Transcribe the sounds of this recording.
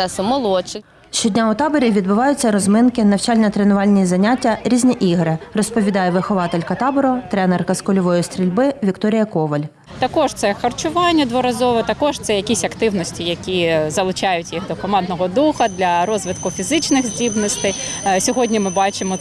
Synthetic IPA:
ɛsʊmɔlˠɔt͡ʃɪ | ʃt͡ʃɔdʲnʲaʊt̪ɑbɔɾʲiʋʲid̪bʊʋɑjʊt͡sʲːɐɾɔzmɪnkɪnɐwt͡ʃɑlʲnʲɐt̪ɾenʊʋɑlʲnʲizɐnʲatʲːɐɾʲizʲnʲiʔiɦɾɪrɔspɔʋʲid̪ɑjɛʋɪxɔʋɑt̪elʲkɐt̪ɑbɔɾɔt̪ɾɛnerkɐskɔlʲɔʋɔjist̪ʲɾʲilʲbɪʋʲikt̪ɔɾʲɪjɐkɔʋɐlʲ | t̪ɐkɔʒt̪sɛxɐrt͡ʃʊʋɑnʲːɐd̪ʋɔɾɐzɔʋɛt̪ɐkɔʒt̪sɛjɐkʲisʲɐkt̪ɪwnɔsʲtʲijɐkʲizɐlˠʊt͡ʃɑjʊtʲjixd̪ɔkɔmɑnd̪nɔɦɔd̪uxɐd̪lʲɐɾɔzʋɪt̪kʊfʲizɪt͡ʃnɪxzʲdʲibnɔsʲt̪ɪjsʲɔɦɔdʲnʲimɪbɑt͡ʃɪmɔ

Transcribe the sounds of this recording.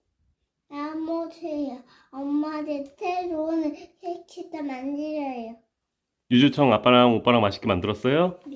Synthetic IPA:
amotʰeja | ʌmːadetʰeɾonɯnsʰet͡ɕʰit͈amand͡ʑiɾjʌejo | jud͡ʑut͡ɕʰʌŋap͈aɾaŋop͈aɾamaɕʰi̥k͈emandɯɾʌs͈ʌjo

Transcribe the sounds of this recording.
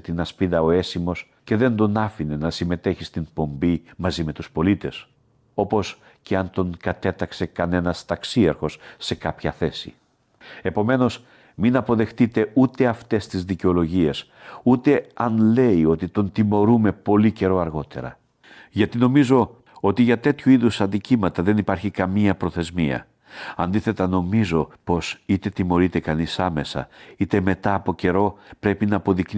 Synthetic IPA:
t̪inɐspiðɐo̞e̞simo̞s | ce̞ðe̞nd̪o̞nɐfine̞nɐsime̞t̪e̞çist̪inpo̞mbimɐzime̞t̪uspo̞lit̪e̞s | o̞po̞s | ce̞ɐnt̪o̞ŋkɐt̪e̞t̪ɐkse̞kɐne̞nɐst̪ɐksiɐɾxo̞sːe̞kɐpçɐθe̞sḭ | e̞po̞me̞no̞s | minɐpo̞ðe̞xt̪it̪e̞ut̪e̞ɐft̪e̞st̪izðiceo̞lo̞ʝie̞s | ut̪e̞ɐnle̞io̞t̪it̪o̞nt̪imo̞ɾume̞po̞lice̞ɾo̞ɐɾɣo̞t̪e̞̰ɾɐ̰ | ʝɐt̪ino̞mizo̞ | o̞t̪iʝɐt̪e̞t̪çuiðusɐnd̪icimɐt̪ɐðe̞nipɐɾçikɐmiɐpɾo̞θe̞zmiɐ̰ | ɐnd̪iθe̞t̪ɐno̞mizo̞po̞sit̪e̞t̪imo̞ɾit̪e̞kɐnisɐme̞sɐ̰it̪e̞me̞t̪ɐːpo̞ce̞ɾo̞pɾe̞pinɐːpo̞ðikn

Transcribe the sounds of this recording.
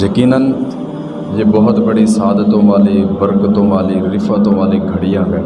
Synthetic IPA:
jəkiːnən | jeːbəɦʊt̪bəɽisaːd̪ət̪õʋaːlibəɾkət̪õːʋaːliɾɪfət̪õʋaːliɡʱəɽɪjãːkə̃n

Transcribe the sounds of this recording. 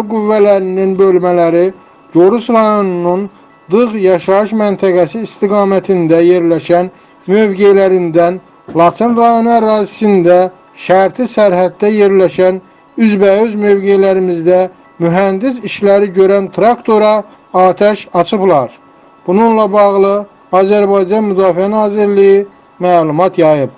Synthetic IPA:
ɡuvːælæɾininbø̞lmælæɾi | d͡ʒo̞ɾusɾɑjo̞nunun | d̪ɯʁjɑʃɑɯʃmænt̪ʰæɡæsiːst̪iɡɑːmæt̪ʰind̪æje̞ɾlæʃæn | mø̞vɡelæɾind̪æn | lˠɑt̪ʰenrɑjo̞nuæɾɑːzisind̪æ | ʃæɾt̪ʰisæɾɦæd̪̚ːæje̞ɾlæʃæn | yzbæøzmø̞vɡelæɾimizd̪æ | myɦænd̪is̬iʃlæɾiɟøɾænt̪ʰɾɑkt̪ʰo̞ɾɑ | ɑːt̪ʰæʃɑt͡ʃʰɯplˠɑɾ | b̥ununlˠɑbɑʁlˠɯ | ɑːzæɾbɑjd͡ʒɑnmyd̪ɑːfiænɑːziɾliji | mæːlumɑt̪ʰjɑjɯp̚

